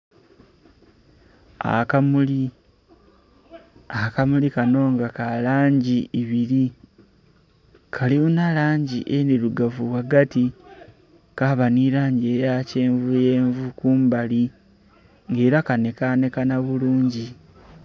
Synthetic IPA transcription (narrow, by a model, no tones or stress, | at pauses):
a̰kamuli | akamulikano̞ːŋɡakalaːɲɟiiβiɾi | kʰaliunalaːɲɟḭʔeniɾuɡavuβwaɡati | kaβaniɾaːɲɟiejace̞ːɱvuje̞ːɱvukuːmbali | ŋɡe̞ːɾakane̞kane̞kanaβuluːɲɟi